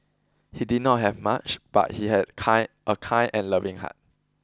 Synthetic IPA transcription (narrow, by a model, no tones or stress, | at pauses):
hidid̚ⁿnɔt̚ɦɛvmat͡ʃb̥a̰t̚hihɛdkʰãɪʔəkʰãɪ̃nʔɛ̃nlʌvĩŋha̰t̚